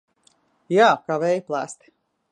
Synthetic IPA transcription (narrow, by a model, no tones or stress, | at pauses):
jaːkavɛjplˠaːst̪